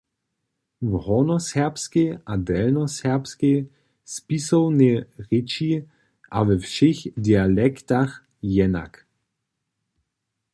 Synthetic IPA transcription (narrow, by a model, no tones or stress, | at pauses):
vhɔnɔsɛʁpskeʔadɛlnɔsɛʁpske | spisɔwnɛʁɪt͡ʃi | ʔa̰vɛfʃixdialɛkt̪ax | jɛna̰k